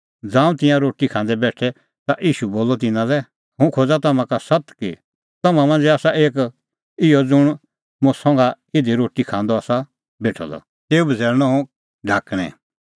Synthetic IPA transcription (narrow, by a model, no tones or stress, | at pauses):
d͡zãːũt̪ɪ̃jãɾoːʈikʰãːnd̪ɛbɛːʈʰɛ | t̪aʔiːʃuboːlɔt̪ɪnãlɛ | hʊ̃kʰod͡zat̪ɐmãkasɐt̪kḭ | t̪ɐmãmãnd͡zaːsaʔeːk | ɪjɔd͡zʊɽ̃ | mʊ̃sɔ̃ŋɡa | ɪd̪iɾoːʈikʰãːnd̪ɔaːsa | beːʈʰɔ̰lɔ̰ | t̪eːubʱəd͡zɛːɾñɔɦũ | ɖʱaːkɽ̃ɛ̰̃